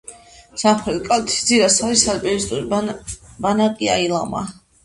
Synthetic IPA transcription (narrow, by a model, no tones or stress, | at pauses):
samχɾɛt̪kʼat̪ʰi̥d̪ziɾasaɾisalpʼivist̪ʼuɾ | banakʼia̰ilˠa̰ma̰